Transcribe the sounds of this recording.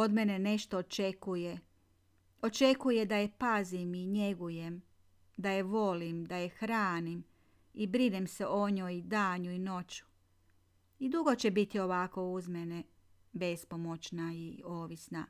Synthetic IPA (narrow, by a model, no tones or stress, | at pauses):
o̞d̪mene̞ne̞ʃt̪oːt͡ʃekuje | o̞t͡ʃe̞kuje̞d̪ajepazimiɲe̞ɡuje̞m | d̪ajeʋo̞limd̪aje̞xɾaːnim | ibɾid̪emse̞ʔoɲoːjd̪aːɲuino̞t͡ɕu̥ | id̪uɡo̞t͡ɕe̞bit̪io̞ʋako̞uzmene̞ | be̞spomo̞t͡ɕnaioːʋisna